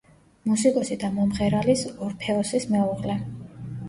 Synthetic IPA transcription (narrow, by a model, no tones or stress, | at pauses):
musikʼɔsid̪amɔmʁɛɾalisɔɾpʰɛɔsismɛuʁlɛ